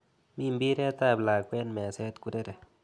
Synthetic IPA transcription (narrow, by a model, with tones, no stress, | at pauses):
mi˦mbi˦ɾe˦t̪a˦˧˨bla˨kʷwe˦nme˨se˦t̪ku˧ɾe˦ɾe˨